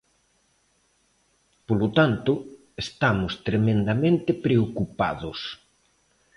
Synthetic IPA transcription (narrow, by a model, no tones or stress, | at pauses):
polot̪ant̪ʊ | est̪amʊst̪ɾemẽnd̪amẽnt̪ɪpɾeokupa̰ðʊs